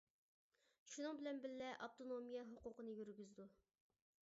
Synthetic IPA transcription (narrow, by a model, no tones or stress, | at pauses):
ʃunɨŋbɪlɛnbɪllɛʔɑp̚t̪ʰonomijɛɦuqʊqənɨjyɾɡʲyzd̪u